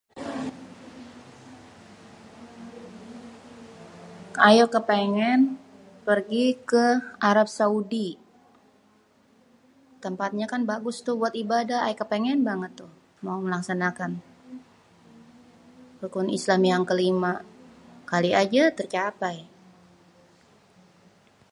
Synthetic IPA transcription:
ʔajɔkːəpeŋɛnpərɡikəaɾap̚saudi | t̪əmpat̪̚ɲakanbaɡʊst̪ʊbuat̪ibadaa̰jkːəpɛŋɛnbaŋət̪ːʊh | mauməlaksanakan | pukʊnislamjaŋkəlima | kaliad͡ʒat̪ərt͡ʃapaj

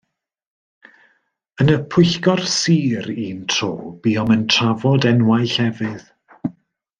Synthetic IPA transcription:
ənəpʰʊɨɬɡɔrsiːɾiːntʰro̰ːb̥iːɔməntʰravɔdɛnwajɬɛvɨð

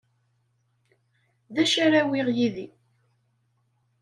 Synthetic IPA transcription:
ðæʃaɾæwiʁjiði

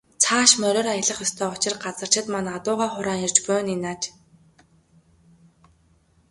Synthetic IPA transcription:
t͡sʰaːʃmœɾʲɔːɾajə̆ɮə̆χjɔst̪ʰœːʊt͡ɕɪ̆rɢat͡sə̆r̥t͡ɕɪ̆t̪manat̪ʊːʁaːχʊɾaːŋirt͡ɕpʊjninaːt͡ɕ

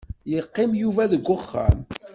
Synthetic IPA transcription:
jəqːɪmjuvæðəɡːʊχːa̰m

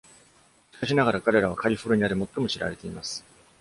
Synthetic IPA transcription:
ɕi̥kaɕ̬inaɡaɾakaɾe̞ɾaβ̞akaɾʲiɸoɾɯ̟ɲ̟iaɾemo̞t̪ːo̞mo̞ɕiɾa̰ɾe̞t̪e̞imasɨ̥

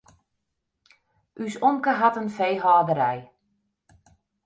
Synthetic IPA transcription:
ʔysoŋkəɦatənfejɦɔːdəɾɛj

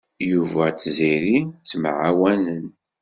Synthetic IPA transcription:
juvæt͡sːziɾit͡sːmʕawænən

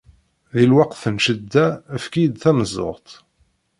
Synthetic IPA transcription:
ðilwɑqθənʃəd̪ːæːfkijd̪θænəzˤo̰ʁt̪ˤ

